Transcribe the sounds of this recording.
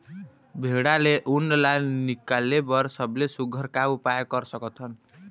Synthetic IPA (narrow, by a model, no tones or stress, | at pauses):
bʱeɽaleʔunːlanikalebʌɾsʌblesuɡʱʌɾkaupajekʌɾsʌkɔt̪ʰʌn